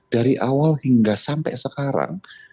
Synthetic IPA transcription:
d̥aɾiʔawalhiŋɡasampɛ̰səkaɾa̰ŋ

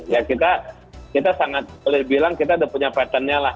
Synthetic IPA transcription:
jakit̪a | kit̪asaŋat̪̚bolɪhbilaŋkit̪adapuɲapat̪anɲalah

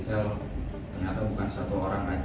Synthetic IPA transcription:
t̪ɛlt̪ərɲat̪abukansat̪uaoɾaŋrad͡ʒ

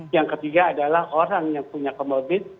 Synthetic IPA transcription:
jaŋkət̪iɡaːdalahoɾaŋjaŋpuɲakəmobɪt̪̚

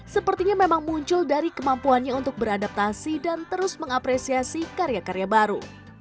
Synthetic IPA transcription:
səpərt̪iɲamemaŋmuɲt͡ʃʊldaɾikəmampuanɲaunt̪ʊk̚bəɾadap̚t̪asidant̪əɾʊsməŋapɾesiasikaɾjakaɾjabaɾṵ

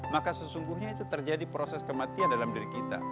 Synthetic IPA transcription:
makasəsuŋɡuhɲait̪ut̪ərd͡ʒadipɾosɛskəmat̪iandalamdiɾikit̪a̰

